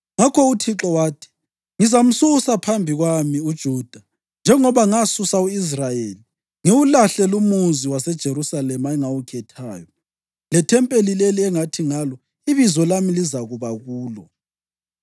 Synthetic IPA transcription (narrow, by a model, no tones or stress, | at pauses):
ŋakʰɔutʰiǁɔwaːtʰi̥ | ŋizam̩suɣusapʰambʱiɣwamiud̥ʒ̥ʱud̥ʱa | nd͡ʒʱɛŋɔβaŋasusauis̬rajeli | ŋewulaɬɛlumuziwasɛd̥ʒ̥ʱeɾusalɛmaɛŋawukʰɛtʰa̰ːjɔ | lɛtʰɛmpʼelileliɛŋatʰiŋalɔ | iβizɔlamilizaɣuβaɣuːlɔ